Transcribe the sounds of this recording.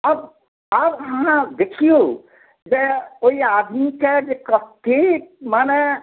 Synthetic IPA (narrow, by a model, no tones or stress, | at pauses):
əb | əbɦããd̪ekʰio | d͡ʒeoiaːd̪ʱmiked͡ʒekəkemaːne